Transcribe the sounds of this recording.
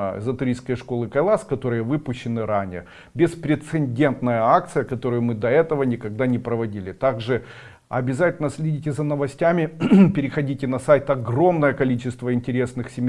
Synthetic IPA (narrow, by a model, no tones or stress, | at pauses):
zət̪ʊɾʲijskəjəʂko̞lˠɨkɐjlˠaskɐt̪o̞ɾɨjəvɨpʊɕːɪnɨɾanʲɪjə | bʲɪspɾʲɪt̪sɨnʲdʲe̞nt̪nəjəak̚t̪sɨjəkɐt̪o̞ɾʊjʊmɨd̪ɐɛt̪əvənʲɪkɐɡ̚d̪anʲɪpɾəvɐdʲilʲɪt̪aɡʐɨ | ɐ̰bʲɪzatʲɪlʲnəsʲlʲɪdʲitʲɪzɐnəvɐsʲtʲamʲɪpʲɪɾʲɪxɐdʲitʲɪnɐsajt̪ɐɡɾo̞mnəjəkɐlʲit͡ɕɪst̪vəɪnʲtʲɪɾʲe̞snɨxsʲɪmʲ